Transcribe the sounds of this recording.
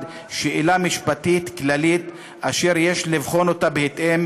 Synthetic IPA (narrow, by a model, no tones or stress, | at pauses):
d̪ | ʃeʔilamiʃpat̪it̪klalit̪ | aʃe̞ʁje̞ʃlivχo̞no̞t̪abehet̪ʔem